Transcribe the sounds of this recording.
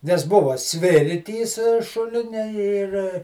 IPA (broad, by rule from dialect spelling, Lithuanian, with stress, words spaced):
nʲɛs ˈbʊʋɐ ˈsʲʋʲɪrʲtʲiːs ˈʃʊlʲɪnʲɛ ɪr